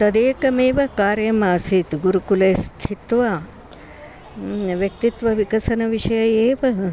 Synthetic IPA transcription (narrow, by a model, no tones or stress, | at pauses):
t̪ɐd̪eːkɐmeːʋɐkaːɾjɐmaːsit̪ɡuɾukuleːst̪ʰit̪ʋɐ | ʋjɐk̚t̪it̪ʋɐʋikɐsɐnɐʋiʃɐjɐjeːʋɐ